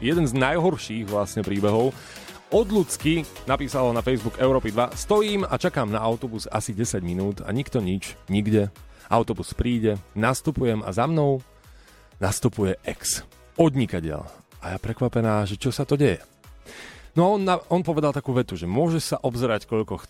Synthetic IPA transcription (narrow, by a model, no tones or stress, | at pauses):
jɛd̪ɛnznajɦɔɾʃiːɣʋlasɲɛpɾiːbɛɦɔʊ | ɔd̪lut͡skinapiːsalɔnafɛjzbukɛʊɾɔːpid̪ʋast̪ɔjiːmat͡ʃakaːmnaaʊt̪ɔbusa̰siɟɛsaɟminuːt̪a̰ɲikt̪ɔɲit͡ʃɲiɡɟɛaʊt̪ɔbuspɾiːɟɛnast̪upujɛma̰zamnɔʊ | nast̪upujɛʔɛks | ɔd̪ɲikaɟɪɛ̰lʔajapɾɛkʋapɛnaːʒɛt͡ʃɔsat̪ɔɟɛjɛ | nɔaɔnɔnpɔʋɛd̪alˠt̪akuːʋɛt̪uʒɛmʊɔʒɛsaʔɔbzɾackɔʎkɔx